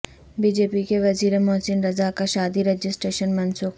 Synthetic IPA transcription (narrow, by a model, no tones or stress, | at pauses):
biːd͡ʒeːpikeʋɐziːɾemɔːsɪnɾɐzakaʃaːd̪iɾɐd͡ʒɪsʈɾeːʃənmɐnsuːk